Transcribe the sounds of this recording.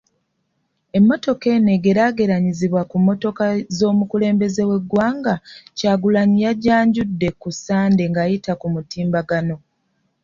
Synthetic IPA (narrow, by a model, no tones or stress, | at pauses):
e̞mːo̞to̞ke̞ne̞ɡe̞ɾaɡe̞ɾaɲiziβwakumːo̞to̞kazo̞ːmukule̞ːmbe̞ze̞we̞ɡwaːŋɡacaːɡulaɲijaɟaːɲɟudːe̞kusaːnde̞ŋɡajitakumutiːmbaɡano̞